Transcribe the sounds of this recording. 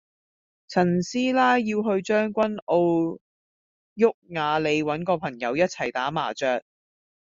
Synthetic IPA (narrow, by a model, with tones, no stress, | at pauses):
t͡sʰɐ˨˩nsiː˥laː˥jːiː˧wɦɵ˧ɥt͡ʃœː˥ŋkʷɐ˥no˧w | jʊ˥k̚ŋaː˨˧le˨˧jwɐ˨˥nkɔː˧pʰɐ˨˩ŋjɐ˨˧wjɐ˥t̚t͡sʰɐ˨˩jt̪aː˨˥ma̰ː˨˩t͡ʃœː˧k̚